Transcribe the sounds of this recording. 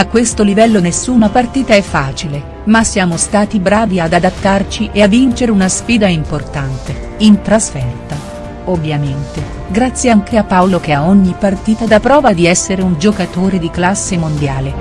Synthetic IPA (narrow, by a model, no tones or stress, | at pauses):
akːwest̪olivɛlːonesːuːnapart̪iːt̪aɛfːaːt͡ʃile | masːjaːmost̪aːt̪ibɾaːviad̪ad̪at̪ːart͡ʃiʔeavːint͡ʃeɾeunasfiːd̪aimport̪ant̪e | int̪ɾasfɛrt̪a | ovːjament̪e | ɡɾat̪sːjeaŋkʰeapːawlok̟eaoɲːipːart̪iːt̪ad̪apɾɔːvad̪iɛsːeɾeund͡ʒokat̪oːɾed̪iklasːemond̪jaːle